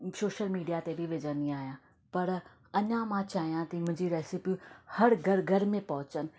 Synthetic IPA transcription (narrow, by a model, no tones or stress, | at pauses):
soːʃəlmiːɖijat̪ebʱiʋed͡ʑə̃nd̪iaːɦijãː | pɐɾ | ɐɲãmãt͡ɕaːɦijãt̪imʊ̃ɦɲd͡ʑiɾɛːsipihɐɾɡʱɐɾɡʱɐɾmẽpɐɦʊt͡ɕənɪ̆